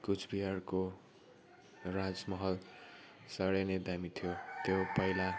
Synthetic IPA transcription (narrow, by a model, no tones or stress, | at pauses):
kut͡sʰbiɦarko | rad͡zmʌɦʌl | sʌɽʌned̪amit̪ʰijot̪jopʌila